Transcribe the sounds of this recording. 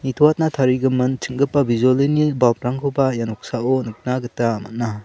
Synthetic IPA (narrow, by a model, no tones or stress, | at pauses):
nitʰɔwat̚natʰaɾiɡɯmɯnt͡ʃʰɯŋɡɯpːabizolinibap̚ɾaŋkʰubajanɔk̚saʔɔnɯk̚naɡɯtaːma̰t̚na